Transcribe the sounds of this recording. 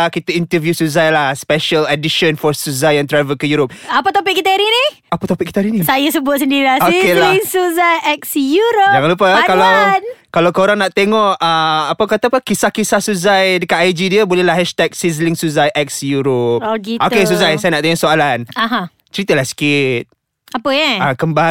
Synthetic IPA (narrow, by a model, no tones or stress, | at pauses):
kit̪əint̪əvjusuzajlahspɛʃələdiʃɔnfɔsuzajant̪ɾavəlkəjuɾop̚apat̪opɪk̚ːit̪aaɾini | apat̪opɪk̚it̪aɾinisajasəbʊt̪̚səndiɾilaokelaiŋsuzajɛk̚sjuɾod͡ʒaŋanlupəkalawnkalawkoɾaŋnaʔt̪eŋɔʔəapakat̪apakisakisahsuzajdəkat̪ajd͡ʒidiəbolɛhlahɦɛʃt̪ɛk̚sizliŋsuzajʔɛk̚sjuɾop̚ɡiokes̬uzajsajanaʔt̪eŋɔʔsoalanaɦã | t͡ʃəɾit̪əlahsi̥kit̪̚ | apəjɛakəmba